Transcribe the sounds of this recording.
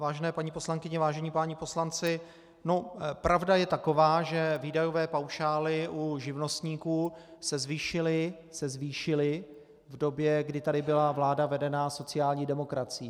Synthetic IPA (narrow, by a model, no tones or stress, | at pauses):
vaːʒɛnɛːpaɲiposlaŋkɪɲɛvaːʒɛɲiːpaːɲɪpo̞slant͡sɪ | nopɾʔavdajɛt̪ako̞vaːʒɛviːdajo̞vɛːpawʃaːlɪʔuʒɪvno̞st̪ɲiːkuːsɛzviːʃɪlɪ | sɛzviːʃɪlɪ | vdo̞bjɛɡdɪt̪adɪbɪlavlaːdavɛdɛnaso̞t͡sɪjaːlɲiːdɛmo̞kɾat͡sɪiː